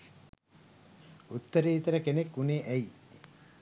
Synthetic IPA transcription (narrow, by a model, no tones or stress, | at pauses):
ut̪ːəɾeit̪əɾəkenekːuneʔæi